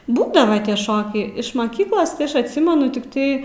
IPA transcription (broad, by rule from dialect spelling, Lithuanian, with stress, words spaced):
ˈbuːdɐʋɐ tʲiɛ ˈʃoːkʲɛɪ ɪʃ mɐˈkʲiːklˠoːs tɐɪ ˈɐʃ ɐtʲˈsʲɪmʲɛnʊ tʲɪkˈtɐɪ